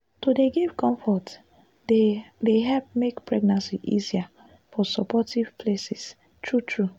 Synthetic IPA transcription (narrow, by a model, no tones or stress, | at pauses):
todeɡivkɔ̃ɱfɔt | dedeɦɛlp̚mekpɹɛɡnãnsiʔḭzia | fɔsɔpɔtiv̥pʰlesis | tʰɹutʰɹu